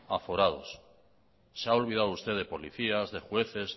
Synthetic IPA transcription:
afo̞ɾað̞o̞̰sː | eao̞lβ̞ið̞aðoust̪e̞ðe̞po̞liθiazðe̞xwe̞θe̞z

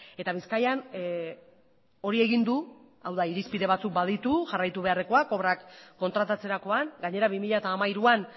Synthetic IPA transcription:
e̞t̪aβiskajan | o̞ɾie̞ɣind̪u | a̰wðaiɾispiðe̞βat͡suk̚baðit̪uʝarajt̪uβe̞are̞ko̞ako̞βɾakːo̞nt̪ɾat̪at͡se̞ɾako̞anɡaɲe̞ɾaβimiʎat̪aːmaiɾuan

